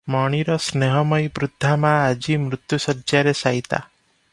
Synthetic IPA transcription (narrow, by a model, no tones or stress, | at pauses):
mɔɽ̃iɾɔsneɦɔmɔjbɾud̪ʱːamaːd͡ʒimɾut̪jusɔɾd͡ʒaɾesajt̪a̰